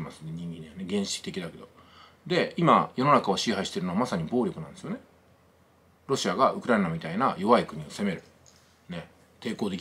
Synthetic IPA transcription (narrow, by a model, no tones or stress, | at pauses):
masɨneɲ̟ĩŋɡĩɲianeɡẽ̞ɰ̃ɕi̥kʲi̥t̪e̞kʲid̪ake̞d̪o̞ | d̪e̞imajo̞no̞nakao̞ɕiɦaiɕi̥t̪e̞ɾɯ̟no̞amasaɲ̟ibo̞ːɾʲokɯ̟nãnd̪e̞sɨjo̞ne̞ | ɾo̞ɕiaɡaʔɯkɯ̟ɾaenamʲit̪ainajo̞βaikɯ̟ɲ̟io̞se̞me̞ɾɯ̟ | ne̞ | t̪e̞ːko̞ːd̪e̞kʲi